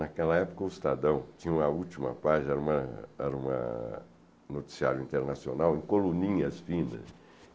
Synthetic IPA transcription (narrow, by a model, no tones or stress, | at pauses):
nakɛlɐɛpʊ̥kɐʊɪst̪ad̪ɐ̃w̃t͡ʃĩɲũmɐut͡ʃimɐ̰paʒɛɾɐũmɐɛɾɐũmɐ̰ | not͡ʃ̪i̥siaɾjʊĩnt̪eɾnasionawẽkolũnĩɲɐsfĩnɐ̰s